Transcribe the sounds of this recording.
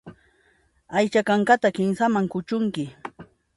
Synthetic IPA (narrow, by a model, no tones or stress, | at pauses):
ajt͡ʃakaɴkat̪akɪmsamaŋkʊt͡ʃʊŋkɪ